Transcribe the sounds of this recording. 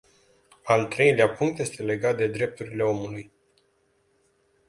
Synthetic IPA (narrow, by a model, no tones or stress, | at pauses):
alt̪ɾe̞jleapuŋkt̪je̞st̪e̞le̞ɡat̪̚d̪e̞d̪ɾe̞p̚t̪uɾile̞o̞muluj